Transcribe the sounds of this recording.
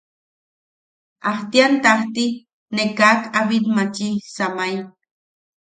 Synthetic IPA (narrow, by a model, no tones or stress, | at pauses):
aht̪iant̪aht̪i | nekakaβilmat͡ʃisamaja